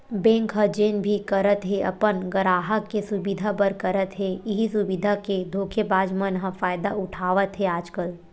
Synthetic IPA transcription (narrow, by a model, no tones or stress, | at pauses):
bɛ̃ːŋkɦəd͡ʒeːnbʱikəɾət̪ɦeʔɐ̰pənɡəɾaːɦəkːesʊbid̪ʱapəɾkɐɾət̪ɦeɪɦisʊbid̪ʱaked̪ʱoːkʰebaːd͡ʒmənɦə̃faːjd̪aʊʈʰaːʋət̪ɦɛaːd͡ʒkəl